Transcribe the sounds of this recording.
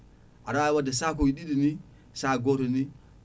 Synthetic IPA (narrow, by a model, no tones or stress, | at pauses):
aɾaaiwadasak̬owiɗiɗini | saɡotoni